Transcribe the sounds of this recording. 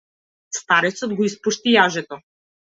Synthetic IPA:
st̪aɾɛt̪sɔd̪ɡɔispuʃt̪ijaʒɛt̪ɔ

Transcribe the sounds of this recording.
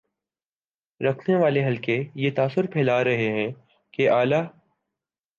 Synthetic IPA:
ɾɐkʰneʋaːleɦɐlkejet̪aːsʊɾpʰɛːlaːɾɐɦeɦɛ̃ː | keʔaːlaː

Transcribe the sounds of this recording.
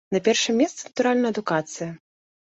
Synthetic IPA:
nɐpʲɛrʂɨmʲɛst̪sɛnɐt̪uɾalʲnɐjɐd̪ukat̪sɨjɐ

